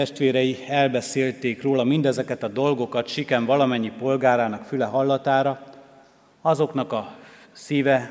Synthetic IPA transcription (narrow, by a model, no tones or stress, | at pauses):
ɛʃt̪ʋeːɾɛjiɛlbɛseːlt̪eːkroːlɒmind̪ɛzɛkɛt̪ɒd̪o̞lɡo̞kɒt̪ʃikɛɱvɒlɒmɛɲːipo̞lɡaːɾaːnɒkfylɛɦɒlːɒt̪aːɾɒ | ɒzo̞knɒkɒ | siːvɛ